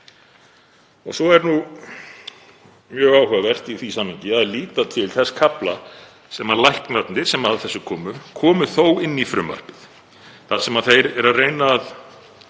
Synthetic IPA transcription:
ɔ̰ɣsɔɛɾnu | mjœːɣaːwhœɣavɛr̥t̪iθisamhɪɲcɪaðliːt̪at̪ʰɪlθɛsːḁkʰapla̰ | sɛmaðlajhknat̪nɪɾ̥sɛmaðθɛsːʏkʰɔːmʏkʰɔːmʏθowɪnːifɾʏmːa̰r̥pɪθ | θasɛmaðθejɾɛɾaðreːjnaːð

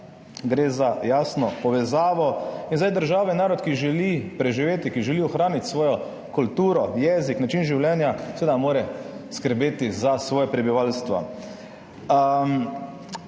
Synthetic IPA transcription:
ɡɾeːzajaːsnɔpɔʋɛzaːʋɔinzajd̪əɾʒaːwʋɛnaːɾɔt̪kiʒɛlipɾɛʒiʋeːt̪ikiʒɛliːɔxɾaːnit̪sʋɔːjɔ | kult̪uːɾɔjɛːziknat͡ʃiːnʒiwljɛːnjasɛʋeːd̪amoːɾɛskəɾbeːt̪izasʋɔːjɛpɾɛbiʋalst̪ʋa̰

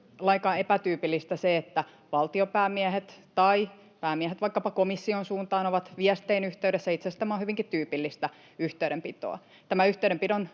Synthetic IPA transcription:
lɑikɑepæt̪yːpilːist̪æseet̪ːæ | ʋɑlt̪iopæːmiæhet̪t̪ɑi | pæːmiæhet̪ʋɑikːɑpɑkomisːionsuːnt̪ɑːnoʋɑt̪ʋiæst̪einyht̪eyɾesːæit̪sest̪æmæonhyʋiŋkitt̪yːpilːist̪æ | yht̪eˑyɾempit̪o̰ɑ̰ | t̪æmæyht̪eyɾempidon

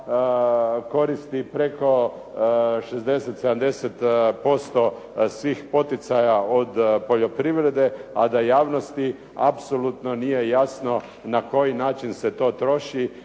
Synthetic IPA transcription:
ko̞ɾist̪ipɾe̞ko̞ | ʃezd̪e̞set̪sed̪amd̪e̞set̪po̞st̪o | sʋiːxpo̞t̪it̪sajaod̪po̞ʎo̞pɾiʋɾe̞d̪e̞ad̪ajaːʋnost̪i | a̰psolut̪nonije̞jasno̞ | nako̞jinaːt͡ʃinse̞t̪o̞ːt̪ɾo̞ʃi

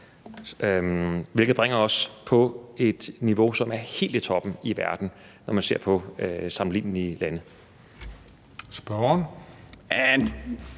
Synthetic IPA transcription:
ʋelɡð̩ˠb̥ʁeŋ̰ɐɒ̽spʰɒ̽e̝d̥niʋo̝sɒ̽mæɐhe̝̰ːld̥it͡sʰɒ̽b̥n̩iʋæɐd̥n̩ | nɒmænse̝ɐ̰pʰɒ̽sɑ̈mn̩lḭːnn̩ilænə | sb̥ɒn | æn

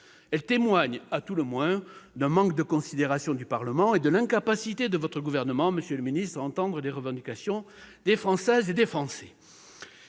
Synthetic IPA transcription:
ɛlt̪emwaɲat̪uləmwɛ̃d̪ɛ̃mɑ̃kd̪əkɔ̃sid̪eʁasjɔ̃d̪ypaʁləmɑ̃ed̪əlɛ̃kapasit̪ed̪əvɔt̪χəɡuvɛʁnəmɑ̃məsjøləminist̪χaɑ̃t̪ɑ̃d̪ʁəleʁəvɑ̃d̪ikasjɔ̃ | d̪efχɑ̃sɛzed̪efχɑ̃sɛ

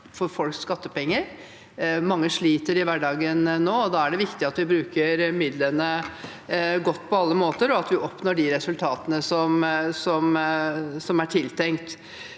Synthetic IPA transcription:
fɔɾfɔlkskɑt̪ːəpɛŋːəɾ | mɑŋːəʂɭiːt̪əɾɪʋæɖɑːɡənnːoːɔd̪ɑːæɖɛʋɪkt̪ɪɑt̪ʋɪbɾʉːkəɾmɪd̪lənə | ɡɔt̪ːpʰɔɑlːəmoːt̪əɾɔɑt̪ʋɪʔɔpnoːɖɪɾɛsʉlt̪ʰɑːt̪ənəsɔmsɔm | sɔmæʈʰɪlt̪ʰɛŋkt̪

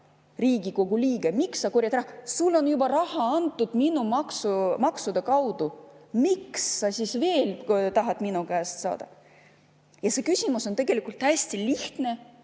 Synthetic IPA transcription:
riːɡ̥iko̞ɡ̥uliːɡ̥emiksːɑkurjɑt̪rɑhɑsulːo̞njubɑɾɑhɑɑnt̪ːˑud̪minumɑksumɑksud̪̥ɑkɑwd̪̥umiksːɑsisve̞ːlt̪ɑɦɑt̪minukæːst̪sɑ̰ːd̪̥ɑ̰ | jɑse̞kysʲimuso̞nt̪e̞ɡ̥e̞likˑult̪ːhæsʲt̪iliht̪ne̞

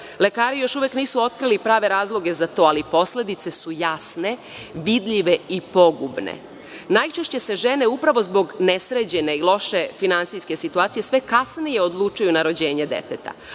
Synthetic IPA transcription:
le̞kaːɾijo̞ʃuʋekniːsuo̞t̪kɾilipɾaːʋe̞ɾaːzlˠo̞ɡe̞zat̪o̞ːalipo̞sle̞d̪it̪se̞sujasne̞ | ʋid̪ʎiʋe̞ipo̞ɡubnḛ | najt͡ʃe̞ʃt͡ɕe̞se̞ʒe̞ne̞upɾaʋo̞zbo̞ɡnesɾed͡ʑe̞neilˠo̞ʃe̞finansiske̞sit̪uaːt̪sije̞sʋe̞kasnije̞od̪lˠut͡ʃujunaɾo̞d͡ʑeːɲed̪ḛt̪et̪a̰

